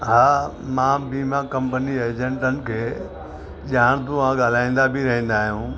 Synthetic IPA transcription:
ɦaː | mãːbiːmakɐ̃mpənieːd͡ʑẽɳʈənɪ̆kʰeː | ʄaːɽ̃t̪ʊãɠaːl̤aːĩːn̆d̪abʱɪɾɐɦĩːnd̪aːɦijũː

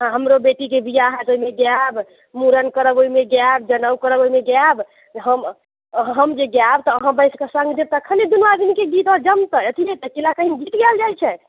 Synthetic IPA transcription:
ɦãɦəmɾobeʈikebijaɦɛt̪oimeɡjab | muɾənkəɾəboimeɡjab̚d͡ʒənəwkəɾəboimeɡjab | ɦəm | ɦəmd͡ʒeɡjab̚t̪ɔəɦãbəɪskasə̃ŋɡd̪eb̚t̪ɔəkʰəned̪unʋad̪inkeɡit̪ɔd͡ʒəmt̪əət̪ʰiɦɛt̪əkelakəɦinɡit̪ɡɛld͡ʒajt͡ʃʰɛ

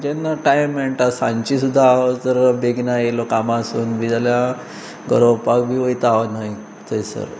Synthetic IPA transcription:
d͡ʑenaʈajmːeɳʈasãɲt͡ɕisud̪ʱːaːʋət̪əɾbeɡnajelokamasuːnʋid͡zalja | ɡəɾowpakbʱiʋəit̪aʋənaj | t̪əjsə̰ɾ

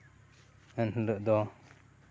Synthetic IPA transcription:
ɛnɦələʔd̪ɔ

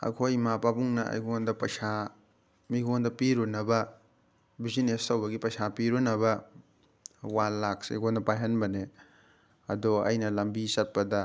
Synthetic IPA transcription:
ɐ̰kʰojmapabuŋnɐɐ̰jɡondɐpɐjsa | miɡondɐpiɾunɐbɐ | bizinestɐwbɐɡipɐjsapiɾunɐβɐ | walːak̚sḛjɡondɐpajɦɐnbɐne | ɐdoɐ̰jnɐlɐmbisɐt̚pɐdɐ

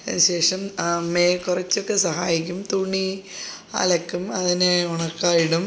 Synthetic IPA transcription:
enɕe̞ːʂɐmmeːkurɐt͡ɕːo̞kːe̞sɐɦa̰ːjikʲːumt̪uːɳːi | ɐ̰lɐkːumɐðineuɳɐkːaːjiɽum

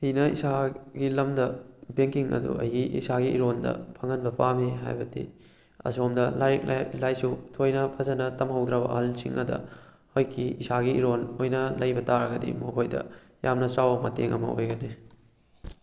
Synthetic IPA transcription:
hinɐḭsaɡilɐmdɐbeŋkiŋɐ̰dṵʔɐjiʔḭsaɡiʔiɾondɐ̰pʰɐŋɐnbɐpameɦa̰jbɐtḭ | ɐ̰somdɐlaklajsutʰojnɐpʰɐzɐnɐtɐmɦɐwdɾɐbɐʔɐhɐlsiŋʔɐ̰dɐ̰ | hojkʰːiisaɡiiɾonojnɐlɐjbɐtaɾɐɡɐdḭmokʰojdɐ̰ | jamnɐsawbɐmɐteŋʔɐ̰mɐ̰o̰jɡɐni

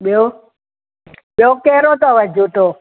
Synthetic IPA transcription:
ɓɛ | ɓɛukɛɾɔt̪awad͡ʒutɔ

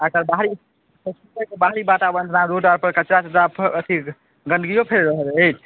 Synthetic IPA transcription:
əkəɾbaɦɾi | pəsikəkebaɦɾibaʈabənd̪ʱnaɾoʈaɾpəɾkət͡ʃɾat̪ʰəd̪apʰət̪ʰi | ɡəɳɖɡijopʰeɾɾəɦələt͡ʃʰ

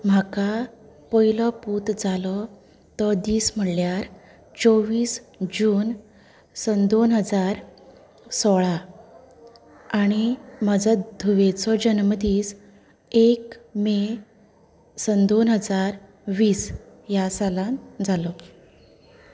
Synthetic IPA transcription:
m̤aka | pɔjlɔpuːt̪d͡zalɔ | t̪ɔd̪iːsm̤əɽljaɾ | t͡soʋiːsd͡ʑuːn | sənd̪onɦəd͡zaɾ | sɔɭa | aɽ̃iməd͡zəd̪ʱuʋet͡sɔd͡ʑənməd̪iːs | ekme | sənd̪onɦəd͡zaɾ | ʋiːsjasalãnd͡zalɔ

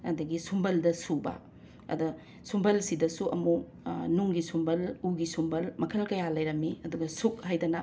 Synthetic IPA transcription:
ɐ̰dɐɡisumbɐldɐsubɐ̰ | ɐ̰dɐ | sumbɐlsidɐsuʔɐ̰mu | nuŋɡisumbɐluɡisumbɐlmɐkʰɐlkɐjalɐjɾɐmːiɐduɡɐsuk̚hajdɐnɐ

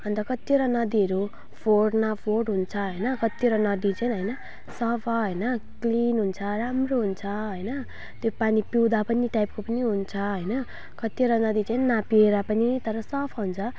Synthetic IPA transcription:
ʌnt̪ʌkʌt̪eɾʌnʌd̪iʌɾu | pʰoɖnapʰoɖɦunt͡sʰʌɦʌjnʌkʌt̪iɾʌnʌd̪it͡saĩnɦʌjnʌ | sʌpʰʌɦʌjnʌklinɦunt͡sʰʌramroɦunt͡sʰʌɦʌjnʌ | t̪jopanipiwd̪apʌniʈajp̚kopʌniɦunt͡sʰʌɦʌjnʌ | kʌt̪ieɾʌnʌd̪it͡sainnapieɾapʌnit̪ʌɾʌsʌpʰʌɦunt͡sʰʌ

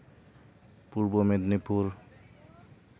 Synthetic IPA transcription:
puɾbomed̪nipuɾ

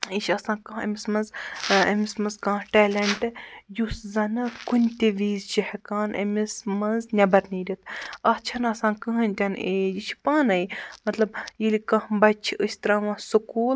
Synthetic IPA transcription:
iʃɐsãːkãːɐ̰mʲismɐnzɐ̰mismɐnzkãːʈɛːlɐɳʈɨjuszɐnɨkunʲt̪ʲeʋiːzt͡ʃihɐkaːnʔɐ̰mismɐnznʲɐbɐɾniːɾʲit̪ʰɐt͡ʃʰɐnɐsãːkɨɦənʲt̪ʲɐneːd͡ʒit͡ʃʰi̥paːnɐjmɐt̪lɐb̚jilikɐhbɐt͡ʃʰiəsʲt̪ɐɾaːʋãːsɨkuːl

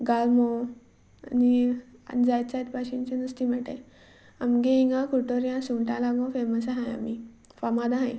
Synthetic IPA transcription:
ɡalmɔ̰ | niad͡zajt͡sajt̪paɕĩnt͡ɕenəst̪imɛʈa̰j | amɡeiŋɡãkʰuʈoɾjãsuʈalaɡɔ̃feməsɦãja̰mi | famad̪aɦãj

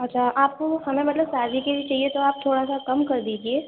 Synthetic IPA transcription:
ɐtːʃʰaʔaːp̚kohɐmẽmɐt̪ləbsaːzikebʱit͡ʃaːɦiet̪oaːp̚t̪ʰoːɽasakɐmkɐɾd̪iːd͡ʒieː

